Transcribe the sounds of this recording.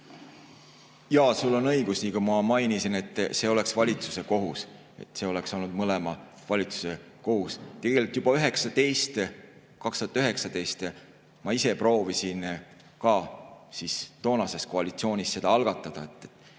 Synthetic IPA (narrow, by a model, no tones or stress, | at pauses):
jɑsulːo̞nɤjɡ̥usnikumɑmɑjnisine̞t̪ːˑse̞o̞le̞ksvɑlʲit̪su̥se̞ko̞ɦus | e̞̰t̪se̞o̞le̞kso̞lnud̪mɤlemɑ | vɑlʲit̪su̥se̞ | ko̞ɦust̪e̞ɡ̥e̞likt̪ːˑjub̥ɑyɦe̞ksɑt̪e̞jst̪ | kɑkst̪uːɑt̪ːyɦe̞ksɑt̪e̞jst̪ | mɑise̞pro̞ːvisin | kɑsist̪o̞ːnɑse̞sko̞ɑlit̪sio̞ːnʲisːe̞d̪̥ɑɑlɡ̥ɑt̪ːˑɑd̪̥ɑe̞t̪ːˑet̪ːˑ